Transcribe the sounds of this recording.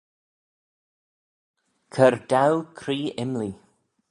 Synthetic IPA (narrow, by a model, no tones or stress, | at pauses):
kʰəɾd̪awkʰɾiːɪmli